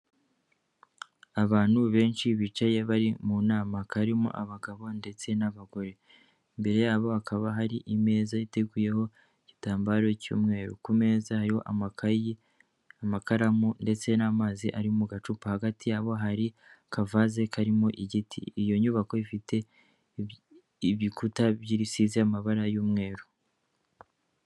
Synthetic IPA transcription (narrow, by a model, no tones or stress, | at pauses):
aβaːn̥huβe̞ːnt͡ʃiβit͡ʃaje̞βaɾimunaːmakʰaɾimo̰ʔaβaɡaβo̞nde̞t͡se̞naβaɡo̞ɾe̞ | mbe̞ɾe̞jaːβo̞akʰaβaɦaɾiʔime̞ːzajiteɡuje̞ho̞ | iɟ̥itaːmbaːɾo̞cṵːmŋe̞ːɾṵkume̞ːzahaɾiho̞̰ʔa | amakaɾamunde̞t͡se̞namaːziʔaɾiumuɡat͡ʃupahaɡatijaːβo̞ɦaɾi | kʰavaze̞kʰaɾimo̞ʔiɟitʰḭːjo̞ɲuβako̞ifite̞ | iβikutaβjiɾisiziamaβaɾajuːmŋe̞ːɾu